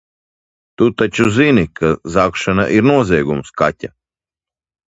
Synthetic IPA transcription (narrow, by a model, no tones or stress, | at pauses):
t̪ut̪at͡ʃuzinikʰazakʃana̰ʔiɾnuɔzʲiɛɡumska̰tʲa